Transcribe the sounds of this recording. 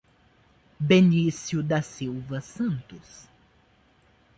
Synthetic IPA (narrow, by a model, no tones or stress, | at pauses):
benisjʊd̪ɐsiwvɐsɐ̃nt̪ʊs